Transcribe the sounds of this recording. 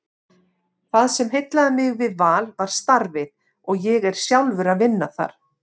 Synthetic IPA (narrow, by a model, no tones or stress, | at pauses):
θaðsɛmɦejt̪laðamɪɣvɪðvaːlvaɾ̥st̪aɾvɪð | ɔɣjɛɣɛɾ̥sjawlvʏɾaðvɪnːaθa̰ɾ̥